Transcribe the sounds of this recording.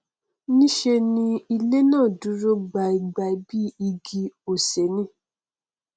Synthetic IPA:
nĩ˦ʃe˧nĩ˧i˧le˦nãː˦˨du˨˦ɾo˦ɡ͡ba˨i˨ɡ͡ba˨i˦bi˦i˧ɡi˧o˨se˨˦nĩ˦

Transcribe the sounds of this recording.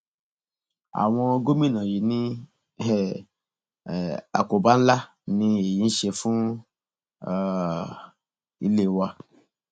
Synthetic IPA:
a̰˨w̃ɔ̃˧ɡo˦mĩ˦˨nã˨ji˨nĩ˦˨ | a̰˨ko˨ba˨˦n̩˦la˦ | nĩ˧e˨ji˨˦n̩˦ʃe˧fũ˦ | ḭ˧le˦˨wa˧

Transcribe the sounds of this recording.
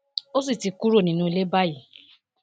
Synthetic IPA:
o˦s̬i˦˨ti˧ku˦ɾo˦˨nĩ˨˦nũ˧˦i˧le˦ba˦˨ji˨

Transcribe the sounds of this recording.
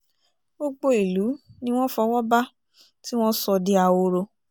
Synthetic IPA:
ɡ͡bo˧ɡ͡bo˧i˨lu˨˦nĩ˦w̃ɔ̃˦fɔ˧wɔ˦ba˦ | ti˦w̃ɔ̃˦sɔ˧di˦a˧o˧ɾo˧

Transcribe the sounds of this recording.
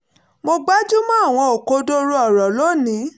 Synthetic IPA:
mo˧ɡ͡ba˦d͡ʒu˦mã˦a˦˨w̃ɔ̃˧o˨ko˧do˦ɾo˦ɔ˨ɾɔ˨lo˦˨nĩ˨˦

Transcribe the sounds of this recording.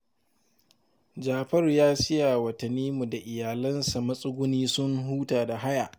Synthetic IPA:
d͡ʒaː˨ɸɐ˦rjaː˦sɪ˦ja˨wɐ˨tɐ˨nːiː˦mu˨da˨ʔɪ˨jaː˨lɐ˦nsa˨mɐ˦sʼʊ˦ɡʷʊ˦niː˦sʊ˦ŋɦuː˦taː˨da˨ɦa˦ja˨ʔ

